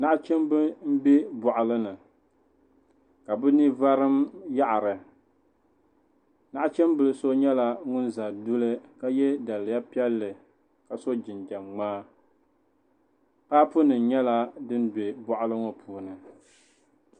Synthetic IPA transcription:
na˦ʔa˦t͡ʃɛ˦mbɨ˦m̩˦be˦bɔ˨ʔʊ˨lɨ˦nɨ˨ | ka˨bɨ˦ni˦va˦ɾɨ˦mja˦ʔa˨ɾɨ˨ | na˦ʔa˦t͡ʃɛ˦mbɨ˨lɨ˦so˦ɲɛ˦la˦ŋʊ˦nza˨du˦lɨ˦ka˦jɛ˦da˨lɨ˨ja˦pi˦ɛ˦lːɨ˨ | ka˨so˦d͡ʒɪ˨nd͡ʒa˨mŋ͡maː˦ | paː˦pʊ˦nɨ˨n˨ɲɛ˦la˦dɨ˦n˦be˨bɔ˨ʔʊ˦lɨ˦ŋɔ˦pʰuː˨nɨ˨

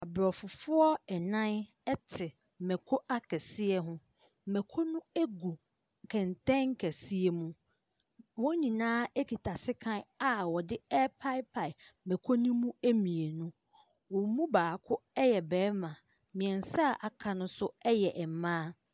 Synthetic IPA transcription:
a˨bɾɔ˨fʊ˨fʊ˦ɔ˦ɛ˨nã˦n | ɛ˦tʰɪ˨ | mɛ̃˨kʰo˦ʔa˦kʰɛ˨sɪ˦ɛ˦ɦʊ̃˦ | mɛ˨kʰo˦nũ˦æ˦ɡu˨ | kʰɛ̃˨n˨tɛ̃˦ŋ̩˦kʰɛ˨si˦e˨mũ˦ | wɔ̃˦ɲĩ˨nãː˦ɛ˦kʰi˨tʰa˨sɪ˦kʰã˦na˨wɔ˨dɪ˦ɛ˦pʰa˦ɪ˦pʰa˨ɪ˨mɛ̃˨kʰo˦nũ˦mũ˦e˦mĩ˨e˨nũ˦ | wɔ̃˨˦mũ˦baː˨kʰʊ˦ɛ˦jɛ˨bɛː˨˦mã˨ | mĩ˨ɛ̃˨n˨sa˦˨ʔa˨kʰã˨nʊ̃˦sʊ˦ɛ˦jɛ˨ʔɛ˨m˨mãː˦

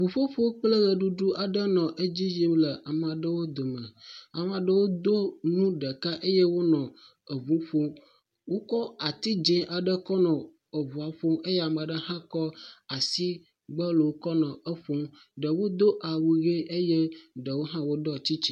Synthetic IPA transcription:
vu˨ɸo˦ɸo˦k͡plə˦ɣə˨ɖu˦ɖu˦ʔa˨ɖə˦nɔ̃˨ʔe˦d͡ʑi˦ji˦lə˨a˨mã˨ɖə˦wo˦d̪o˨mə̃˨a˨m˨a˨ɖə˦wo˦d̪o˦nũ˦ɖə˨ka˦ʔe˦jɛ˦wo˦nɔ̃˨ | ə˨vu˨˦ɸo˦ | wo˦kɔ˦a˨t̪i˦d͡ʒɛ̃˦ʔa˨ɖə˦kɔ˦nɔ̃˨ | ə˨vu˨a˨ɸo˦me˦jɛ˦a˨mã˨ɖə˦ɦã˦kɔ˦a˨si˦ | ɡ͡bə˦lə˨wo˦kɔ˦nɔ̃˨ə˦ɸo˦m | ɖə˨wo˦d̪o˦ʔa˨wu˨ɣe˦ʔe˦je˦ɖə˨wo˦ɦã˦wo˦dɔ˦t͡ɕi˦t͡ɕi̥˦

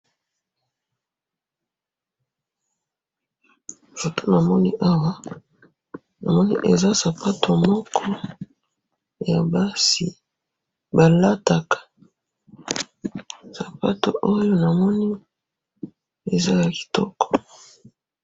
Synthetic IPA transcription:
fo˨to˦na˨mɔ˦nḭ˦ʔa˦wa˦ | na˨mɔ˦nḭ˦ʔe˨za˦sa˨pa˦tʰo˨mɔ˦kʰɔ˦ | ja˨ba˦si˨ | ba˨la˦ta˨kḁ˨ | sa˨pa̰˦to̰˨ʔo˦jo˦na˨mɔ˦ni˦ | e˨za˦ja˨ki̥˨tɔ˦kɔ̥˨

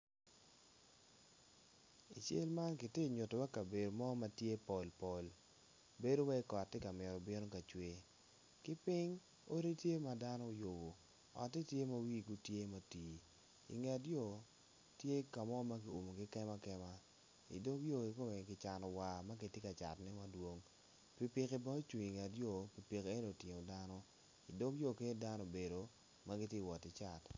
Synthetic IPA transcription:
i˨t͡ʃḛ˦lma˦nkɪ˨ti˦˨ɲʊ˨to˨wa˦ka˨be˨do˨mɔ˦ma˦tje˦po˨lpo˨l | be˦do˦wa˦i˦kɔ˨tːe˦ka˨mɪ˨ɾɔ˨bɪ˦no˦ka˨t͡ʃwe˨ | kɪ˦pɪ˦ŋ | o˦ɾi˦tje˦ma˦da˦nɔ˦jo˨bo˨ | ɔ̰˨tːe˦tje˦ma˦wi˦˨ɡu˦tje˦ma˨ti˨ | ḭ˨ŋɛ˨tjɔ˦˨ | tje˦ka˨mɔ˦ma˦ɡi˨o˨mo˨ɡi˦kɛ˦ma˦kɛ˦ma˦ | ḭ˨do˦kjo˦˨ki˨ko˦me˨kɪ˨t͡ʃa˨nɔ˨wa˨ma˦ɡi˨tje˦ka˨t͡ʃa̰˨tnɛ˦ma˦dwo˦ŋ | pi˨pi˨ke˨ba˦t͡ʃwi˨ŋi˨ŋɛ˨tjɔ˦˨pi˨pi˨ke˦n˦o˨tɪ˨ŋo˨da˦nɔ˦ | ḭ˨do˦kjo˦˨ke˦da˦nɔ˦˨be˨do˨ | ma˦ɡɪ˦tje˦˨wɔ˨tɪ˨t͡ʃa˨t

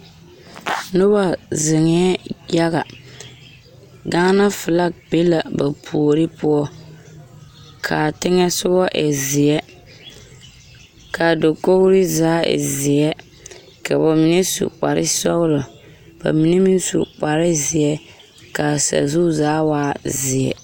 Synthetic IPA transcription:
nʊ˦ba˨zɪ˨ŋɛ˦ɛ˦ja˦ɣa˨ | ɡa˦na˦fɪ˨la˦k̚be˦la˨ba˨pʰu˨o˨ɾɪ˦pʊ˦ɔ˦ | kʰa˨tɪ˦ŋɛ˦sʊ˦bɔ˦ʔɛ˨zɪ˨ɛ˦ | ka˨do˨ko˦ɣɾɪ˦zaː˨˦ɛ̰˨zɪ˨ɛ˦ | ka˨ba˨mi˨ne˦sṵ˨k͡pa˨ɾɪ̰˦sɔ˦ɣʊ˦lʊ˨ | b̥a̰˨mi˨˦ne˦mi˦n˦sṵ˨k͡pa˨ɾɪ˦zɪ˨ɛ˦ | ka˨sa̰˨zu˦zaː˦waː˦zɪ˨ɛ̰˨

